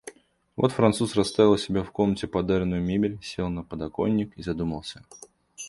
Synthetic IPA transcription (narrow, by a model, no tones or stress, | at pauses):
vo̞̰t̪fɾɐnt̪susrɐst̪avʲɪlˠsʲɪbʲafko̞mnətʲɪpɐd̪aɾʲɪnʊjʊmʲebʲɪlʲsʲelˠnəpəd̪ɐko̞̰nʲːɪkizɐd̪uməlˠsʲə